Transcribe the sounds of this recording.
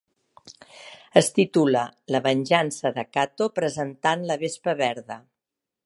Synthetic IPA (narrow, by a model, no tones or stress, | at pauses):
əst̪it̪ulələβənʲʒansəðəkat̪opɾəzənt̪anləβespəβɛɾðə